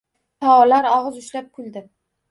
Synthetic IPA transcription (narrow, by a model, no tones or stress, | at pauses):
t̪ʰɒɒlaɾɒʁɨzʊʃlap̚kʰʊlˠd̪ɪ